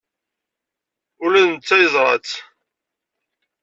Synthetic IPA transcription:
ʊlænt͡sːæjəzˤɾˤɑ̰t͡sː

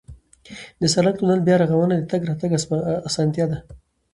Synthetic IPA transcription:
d̪əsalat̪unalbjɑɾaɣawənad̪ət̪aɡɾɑt̪aɡːsɑnt̪jɑd̪a

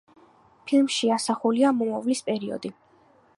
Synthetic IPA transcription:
pʰilmʃiasaχuliamɔmɔvlispʼɛɾiɔ̰d̪i

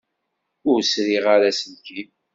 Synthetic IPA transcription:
ʊɾsɾiʁaɾasənki

